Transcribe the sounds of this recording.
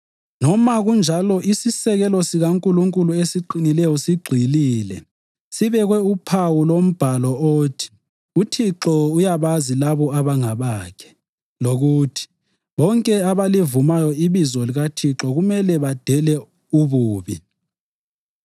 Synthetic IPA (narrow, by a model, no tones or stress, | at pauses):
nɔmaɣund͡ʒʱalɔʔisisɛɣɛlɔsiɣaŋkʼuluŋkʼuluesiǃinilɛjɔsiɡ͡ǃʱiliːlɛ̰ | siβɛɣwɛupʰawulom̩b̥ʱalɔotʰi̥ | utʰiǁɔujaβazilaβɔaβaŋaβaːkʰɛ̥ | loɣuːtʰi̥ | βɔŋkʼɛaβalivumajɔiβizɔliɣatʰiǁɔɣumɛlɛβad̥ʱɛlɛ | uβuːβi